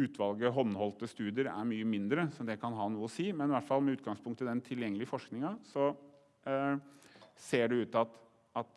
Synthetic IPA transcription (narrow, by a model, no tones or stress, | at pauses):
ʉːt̪ʋɑlɡəɦɔnːhɔlt̪əst̪ʉːd̪ɪəɾæ̰ɾmyːəmɪnd̪ɾəsɔd̪ɛkʰɑnɦɑːnuːəɔsiːmɛnɪʋæʈfɑlmɛʉːt̪̚ɡɑŋspʰʊŋkt̪əd̪ɛnt̪ʰɪljɛŋːlɪəfɔʂknɪŋɑsɔ | seːɖɛʉːt̪ɑt̪ | ɑt̪